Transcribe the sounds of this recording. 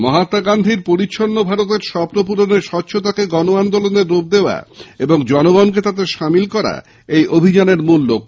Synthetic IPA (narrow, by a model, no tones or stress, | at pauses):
mɔɦat̪aɡand̪ʱiɾpoɾitːɕʰonːobʱaɾot̪̬eɾʃɔpɾop̬uɾoneɾʃɔtːɕʰot̪akeɡɔnoand̪oloneɾːob̚d̪eoa̰eboŋd͡ʑɔnoɡɔnk̬et̪ad̪eɾʃamilkɔɾa̰ | ejʔobʱid͡ʑaneɾmulːok̚